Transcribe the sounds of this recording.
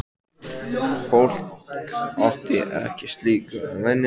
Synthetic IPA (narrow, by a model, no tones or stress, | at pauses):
fowl̥k | awht̪ɪʔɛ̰hcɪst̪liːkavɛnː